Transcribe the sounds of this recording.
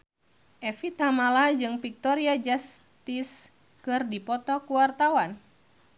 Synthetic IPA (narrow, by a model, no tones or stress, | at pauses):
ʔɛfit̪amalad͡ʒɨŋfik̚t̪ɔɾiad͡ʒas | t̪is | kɨrdipɔt̪ɔkuwart̪awan